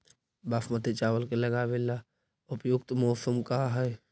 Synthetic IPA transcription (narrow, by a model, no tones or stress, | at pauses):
baːfmət̪et͡ʃaːwəlkelɐɡaʋela | ʊpjʊk̚t̪mɔːsəmkaɦɛ